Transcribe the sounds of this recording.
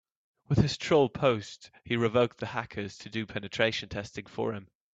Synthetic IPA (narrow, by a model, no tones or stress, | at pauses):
wɪð̥ɪz̥tʰɹ̥oʊlˠpʰoʊsthiɹɪvoʊk̚ðəhakʰəz̥tʰədɨpʰɛnɨtʰɹ̥eɪʃə̃ntʰɛstɪ̃ŋfə̰ɹɪ̃m